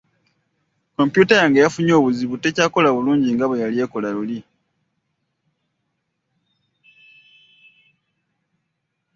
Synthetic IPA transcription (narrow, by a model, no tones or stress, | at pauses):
ko̞mpjutajaŋɡejafuɲo̞ːβuziβute̞caːko̞laβuluːɲɟiŋɡaβejalie̞ko̞laluli